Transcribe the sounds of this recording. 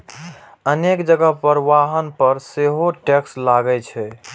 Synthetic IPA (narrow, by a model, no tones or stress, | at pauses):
ənekd͡ʒəɡəɦpəɾʋaɦənpəɾseɦoʈɛkslaɡɛt͡ʃʰɛ